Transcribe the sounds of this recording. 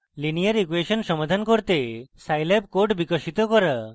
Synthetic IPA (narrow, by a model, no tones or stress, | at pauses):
linijaɾikuweʃɔnsɔmad̪ʱankoɾt̪esajlep̚koɖbikɔʃit̪ɔkɔɾa